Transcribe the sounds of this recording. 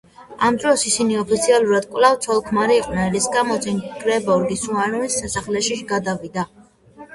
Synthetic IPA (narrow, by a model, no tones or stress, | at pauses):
amd̪ɾɔsisiniɔpʰit̪sʰialˠuɾad̪̥kʼwlavt̪sʰɔlˠkʰmaɾiːqʼnɛlisɡamɔt̪sʰɛnɡɾɛbɔɾɡisuaɾunisːasaχlɛʃiɡad̪avid̪a